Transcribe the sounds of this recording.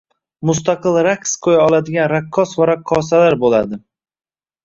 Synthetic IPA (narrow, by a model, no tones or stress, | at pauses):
mʊs̬t̪ʰaqɨlˠɾakʲsqʰojaɒlˠad̪ɪɡʲanɾakʰːɒsvaɾakʰːɒsalaɾbolad̪ɪ